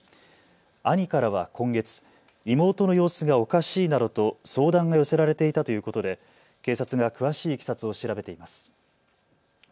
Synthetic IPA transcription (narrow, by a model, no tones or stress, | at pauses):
aɲ̟ikaɾaβ̞a̰kʰõ̞ŋɡe̞t͡sɨ̥ | imo̞ːt̪o̞no̞jo̞ːsɨɡao̞kaɕiːnad̪o̞t̪o̞so̞ːd̪ãŋɡajo̞se̞ɾaɾe̞t̪e̞it̪at̪o̞jɯ̟ːko̞t̪o̞d̪e̞ | ke̞ːsat͡sɨɡakɯ̟βaɕiːkʲi̥sat͡sɨo̞ɕiɾabe̞t̪e̞imasɨ̥